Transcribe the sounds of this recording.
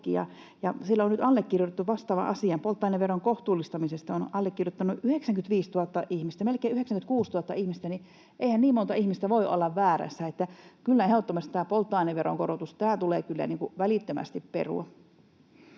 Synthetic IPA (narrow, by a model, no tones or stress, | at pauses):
kḭjɑ̰ | jɑsilːæonyt̪ɑlːekːirjot̪et̪ːuʋɑst̪ɑːʋɑ̰ʔɑsiɑmpolt̪ːˑɑineʋeroŋkoht̪uːlːˑist̪ɑmisest̪ɑonɑlːekːirjot̪ːɑnːuʔyheksæŋkynʋiːst̪uɑt̪ːɑʔihmist̪æmelkeːyheksæŋkynt̪kuːst̪uɑt̪ːɑ̰ihmist̪æni | ʔeihænniːmont̪ɑihmist̪æʋoiʔo̰lːɑʋæːɾæ̰sːæet̪ːækylːæheoot̪ːomɑst̪t̪æːpolt̪ːɑineʋʋeɾo̰ŋkoɾot̪ust̪æːt̪uleːkylːæ̰niːŋkuʋælit̪ːømæ̰st̪ippḛrṵɑ